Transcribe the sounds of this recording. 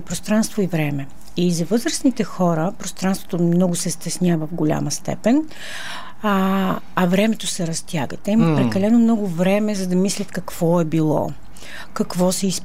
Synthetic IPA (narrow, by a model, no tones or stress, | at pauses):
pɾost̪ɾanst̪voivɾɛmɛ | izɐvɤzɾəsnit̪ɛxɔɾəpɾost̪ɾanst̪vot̪omnɔɡʊsɛst̪ɛsnʲjavəvɡʊlʲa̰mɐst̪ɛ̰pɛn | ɐvɾɛmɛt̪osɛɾɐst̪ʲjaɡət̪ɛimɐpɾɛkɐlɛnomnɔɡʊvɾɛmɛzɐd̪ɐmislʲɐt̪kɐkv̥ɔɛbilˠɔ̰ | kɐkvɔsɛis